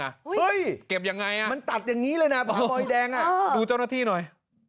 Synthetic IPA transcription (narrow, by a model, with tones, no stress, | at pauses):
a˧˩hɯ˧˥jke˨˩p̚ja˨˩ŋːa˧jʔa˧ma˧nt̪a˨˩t̪̚jaː˨˩ŋːiː˦˥lɤː˧jna˦˥pʰɔ˦bɔː˧jdɛː˧ŋʔa˨˩˧duː˧t͡ɕa˥˩wnaː˥˩iː˥˩nɔ˨˩j